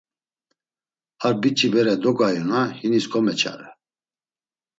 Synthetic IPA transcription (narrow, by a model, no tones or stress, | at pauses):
aɾbit͡ʃʰʼibɛɾɛd̪ɔɡajunahiniskʰɔmɛt͡ʃʰa̰ɾɛ